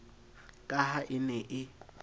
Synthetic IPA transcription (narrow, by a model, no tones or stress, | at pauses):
kʼahaʔɪnɛʔɪ